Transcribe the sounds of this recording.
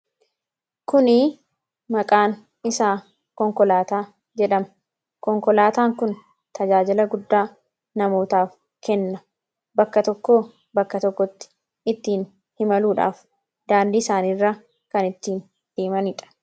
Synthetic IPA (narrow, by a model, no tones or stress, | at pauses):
kʊnɪ | mɐkʼaːn | ɪsaː | kɔŋkɔlaːt̪aː | d͡ʒɛᶑɐmɐ̥ | kɔŋkɔlaːt̪aːŋkʊn | t̪ʰɐd͡ʒaːd͡ʒɪlɐɡʊd̪ːaː | nɐmo̞ːt̪aːf | kɛnːɐ | bɐkːɐt̪ɔkːoː | bɐkːɐt̪ɔkːɔt̪ːɪ̥ | ɪt̪ːiːn | hɪmɐluːᶑa̰ːf | d̪aːnd̪iːsaːniːrːɐ | kɐnɪt̪ːiːn | d̪̥eːmɐniːᶑɐ̥